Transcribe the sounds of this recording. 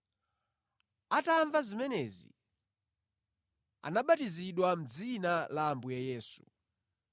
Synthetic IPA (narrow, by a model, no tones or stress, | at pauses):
ataɱvazimɛnɛzḭ | a̰naɓatiziɗwam̩d͡zinalambujajɛːsu